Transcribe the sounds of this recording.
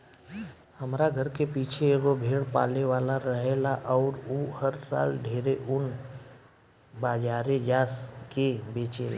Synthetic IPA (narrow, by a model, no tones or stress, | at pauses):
həmɾaɡʱəɾkepiːt͡ʃʰeɡobʱeːɽpa̰ːleʋaːlaɾəɦeːlaʔɔːɾoːhəɾsa̰ːlɖʱeːɾeʔʊn | baːd͡ʒaːɾed͡ʒaːskebeːt͡ʃḛːla̰